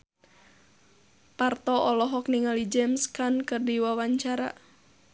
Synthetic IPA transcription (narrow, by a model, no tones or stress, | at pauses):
part̪ɔɔlɔɦɔk̚niŋalid͡ʒɛmskankərdiwawaɲt͡ʃaɾa̰